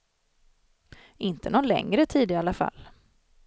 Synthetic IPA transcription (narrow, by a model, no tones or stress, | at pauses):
ʔɪnt̪ʰənɔnlɛ̰ŋɾət̪ʰiːd̪ɪalːafa̰lː